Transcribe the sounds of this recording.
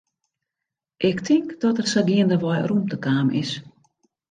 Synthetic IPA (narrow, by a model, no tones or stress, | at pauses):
ʔɪktʰɪŋkd̥ɔtərsədiəndəʋɔjrumtəkaːmʔɪ̰s